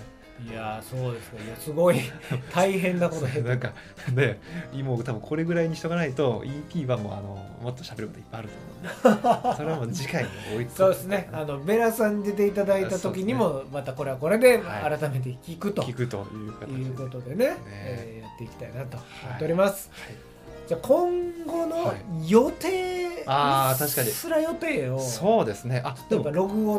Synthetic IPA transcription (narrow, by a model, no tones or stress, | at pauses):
iaso̞ːd̪e̞sɨ̥neiasɨɡo̞it̪ʰaiɦẽ̞nːako̞t̪oenãŋka | nemoːt̪abɯ̟̃ŋkʰo̞ɾe̞ɡɯ̟ɾaiɲ̟içi̥t̪o̞ɡanait̪o̞ipʲiːβamo̰ːa̰no̰ | mot̪ːo̞ɕabe̞ɾɯko̞t̪oipːajaɾɯ̟t̪omo | soeamoːd͡ʑikaiɲeɡoːissoːd̪esɨne̞ano̞be̞ɾasãɲ̟ːid̪e̞t̪e̞it̪ad̪aiat̪o̞kʲiɲ̟imo̞mat̪ako̞ɾe̞βako̞ɾe̞d̪e̞aɾat̪ame̞t̪̬e̞kʲikɯ̟t̪oikɯ̟t̪o̰jɯ̟kjɯ̟ːko̞t̪o̞d̪e̞ne̞ejat̪ːe̞ikʲi̥t̪ainat̪o̞mot̪eoɾʲimasɨ̥ai | d͡ʑaːkʰõ̞ŋɡo̞no̞jo̞t̪eːat̪aɕi̥kaɲisɨɾajo̞t̪e̞ːo̞soːd̪e̞sɨneʔad̪ipːaɾo̞ɡɯ̟o